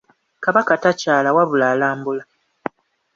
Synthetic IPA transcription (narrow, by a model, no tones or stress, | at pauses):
kaβakatacaːlawaβulaːlaːmbula